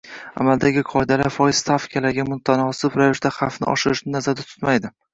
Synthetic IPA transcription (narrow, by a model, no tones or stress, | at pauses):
a̰mald̪aɡʲɪqʰɒɪd̪alaɾfɒjɪz̥st̪ʰafkʲʰalaɾɡʲamʊt̪ʰanɒsɪpɾajɪʃd̪aχɑfnɪ̰ʔɒ̰ʃɪɾɪʃnɪnazaɾd̪at̪ʰʊ̥t̪majd̪ɪ